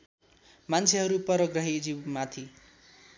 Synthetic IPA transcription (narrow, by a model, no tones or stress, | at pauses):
mant͡sʰeɦʌɾupʌɾʌɡrʌɦid͡zibmat̪ʰi